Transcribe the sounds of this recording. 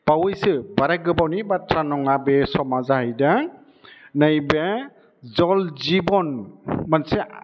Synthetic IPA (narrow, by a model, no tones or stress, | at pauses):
b̥awɯjsɯbaɾaɡɯbawnibatʰɾanɔŋabɛsɔmazahajda | najba | zɔlzibɔnmansɛ